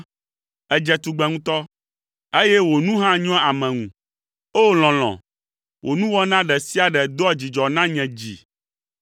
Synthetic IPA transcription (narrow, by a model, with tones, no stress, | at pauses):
ɛ˨d͡ʒɛ˨t̪u˨ɡ͡bɛ̃˨ŋũ˦t̪ɔ˦ | e˦jɛ˦wo˨nũ˦ɦã˦ɲɔ̃˦a˨mɛ̃˨ŋṵ̃˨ | o˦l̃ɔ̃˨l̃ɔ̰̃˨ | wʔo˨nũ˦wɔ˦nã˦ɖɛ˨si˦a˨ɖɛ˨d̪ɔ˦a˦˨d͡ʑi˨d͡ʒɔ˨nã˦ɲɛ̃˨d͡ʑḭ˨